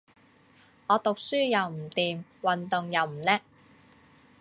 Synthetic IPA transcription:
ŋɔː˨˧t̪ʊ˨k̚syː˥jɐ˨˧wm̩˨˩t̪iː˨mwɐ˨nt̪ʊ˨ŋjɐ˨˧wm̩˨˩lɛː˥

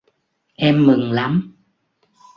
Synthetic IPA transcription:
ʔɛ˧mːɨ˨˩ŋla˨˦m

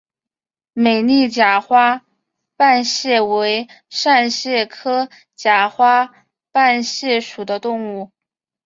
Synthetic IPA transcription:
me˨˩ɪni˥˩t͡ɕja˨˩xwa˥ | pa˥˧nɕjɛ˥˩we˧˥ɪ | ʂa˥˧nɕjɛ˥˩kʰɤ˥ | t͡ɕja˧˥˩xwa˥ | pa˥˧nɕjɛ˥˩ʂu˨˩d̪ə˦t̪ʊ˥˧ŋu˥˩

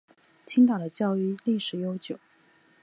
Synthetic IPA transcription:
t͡ɕʰi˥ŋt̪ɑ˨˩ŋd̪ə˦t͡ɕjɑ˥˧ʊy˥˧li˥˩ʂɻ̩˨˩jo˥ʊt͡ɕjo˨˩˦ʊ

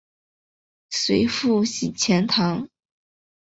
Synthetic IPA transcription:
swe˧˥ɪfu˥˩ɕi˨˩t͡ɕʰjɛ˧˥nt̪ʰɑ˧˥ŋ

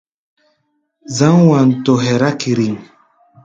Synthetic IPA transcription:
za˦ŋ˦wa˨n̩˨tɔ˨ɦɛ˨ɾa˦ki˨ɾi˨ŋ

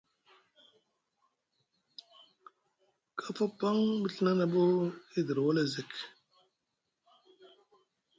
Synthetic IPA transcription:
kʰa˦fa˦pa˦ŋbi˦ɬi˦na˦na˨bo˦i˦di˨ɾwo˦le˦zi˨k

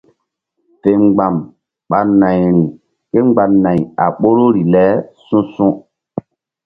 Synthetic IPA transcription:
te˨ŋɡ͡ba˨m | ɓa˨na˨jɾi˨ | ke˦ŋ͡mɡ͡ba˨nã˨ja̰˨ɓo˦ɾo˦ɾi˨lɛ˦sũ˦sũ˦

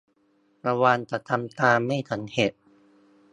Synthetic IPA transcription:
ɾa˧waː˧nt͡ɕ̪a˨˩t̪ʰːa˧mt̪aː˧ma˥˩jt̪ʰa˩˦nhe˨˩t̪̚

